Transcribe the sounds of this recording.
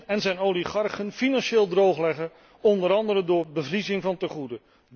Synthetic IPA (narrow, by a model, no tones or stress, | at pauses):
ɛnzɛjnowliχɑɹχənfinɑnʃeːlˠdrowχlɛχə | ɔndəɾɑndəɾəndʊːɹbəvrizɪŋvɑntəχudə